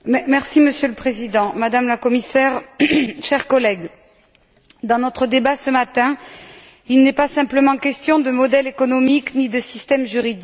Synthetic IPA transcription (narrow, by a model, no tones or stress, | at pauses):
mɛmɛʁsiməsjøləpχezid̪ɑ̃mad̪amlakɔmisɛʁʃɛʁkɔlɛɡ | d̪ɑ̃nɔt̪χəd̪ebasəmat̪ɛ̃ | ilnɛpasɛ̃pləmɑ̃kʲɛst̪jɔ̃d̪əmɔd̪ɛlekɔnɔmiknid̪əsist̪ɛmʒyʁid̪i